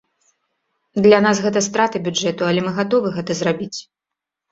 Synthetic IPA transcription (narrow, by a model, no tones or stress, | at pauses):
d̪lʲanasɣɛt̪ɐst̪ɾat̪ɨbʲud͡ʐɛt̪uɐlʲɛmɨɣat̪ɔvɨɣɛt̪ɐzrabʲit͡sʲ